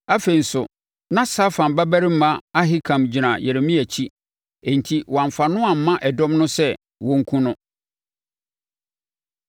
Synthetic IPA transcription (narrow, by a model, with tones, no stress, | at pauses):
a˦fe˨i˨n̩˨sʊ˨ | nã˦sa˦fã˨mbæ˦bæ˦ɾi˦m̩˦mã˦a˦ɦɪ˦kʰã˨md͡ʑi˨nã˨je˨ɾe˨mĩ˦æ˨t͡ɕʰi˦ | e˨n˨tʰi˦wã˨m˨fa˨nʊ̃˦a˨m̩˨˦mã˦ʔɛ˨dɔ̃˦mnʊ̃˦sɛ˦ | wɔ̃˦ŋ̩˦kʰũ˦nʊ̃˦